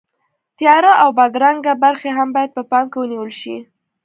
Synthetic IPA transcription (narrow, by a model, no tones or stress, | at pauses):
t̪jɑɾaʔawbad̪ɾaŋɡabaɾxeɦambɑjad̪̚pəpɑmkewəniwəlʃḭ